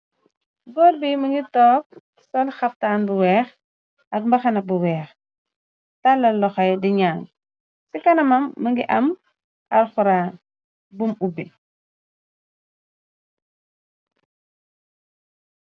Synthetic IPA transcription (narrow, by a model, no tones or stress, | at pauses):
ɡɔɾbimɐŋɡitɔːk̚ | sɔlxɐf̚taːnbuwɛːx | ɐk̚mbɐxɐnɐbuwɛːx | talːɐlɔxɐjdiɲaːŋ | sikɐnɐmɐmːəŋɡiʔɐm | ɐɾxuɾa | bumubi